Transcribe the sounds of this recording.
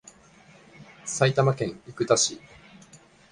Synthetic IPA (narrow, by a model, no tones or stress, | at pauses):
sait̪amakẽ̞ŋikɯ̟t̪aɕi